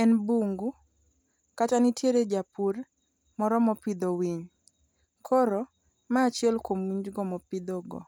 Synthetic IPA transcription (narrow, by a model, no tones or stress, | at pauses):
ɛnbuŋɡu | katanitjeɾed͡ʒapuɾ | mɔɾɔmɔpɪd̪owiɲ | kʰɔɾɔ | maːt͡ʃɪɛlkomwiɲd͡ʒɡɔmɔpid̪ɔɡɔ̰